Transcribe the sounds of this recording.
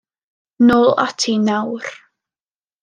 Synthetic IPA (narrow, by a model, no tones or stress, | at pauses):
noːlˠa̰tʰinawr